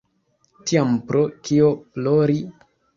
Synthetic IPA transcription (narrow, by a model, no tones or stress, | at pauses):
tiampɾʔokioploɾi